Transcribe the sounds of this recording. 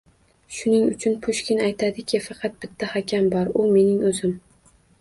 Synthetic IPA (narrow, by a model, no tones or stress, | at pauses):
ʃʊnɪŋʊt͡ʃʰʊnpʰʊʃkʲɪnajt̪ʰad̪ɪkʲʰɪfɑqʰɑt̪̚b̥ɪt̪ʰːahakʲʰambɒɾʊme̞nɪŋɵzɪm